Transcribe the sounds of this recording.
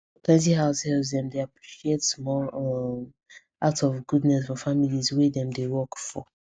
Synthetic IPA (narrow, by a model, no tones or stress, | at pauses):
pʰlɛ̃nt̬iɦaʊshɛlzdɛ̃mdeapʰɹiʃietmɔɛ | atɔfɡudnɛsfɔfamilizwɛdɛ̃mdewɔkfɔ